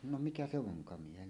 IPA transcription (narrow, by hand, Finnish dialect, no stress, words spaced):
no mikæ se ʋoŋkɑmiehelː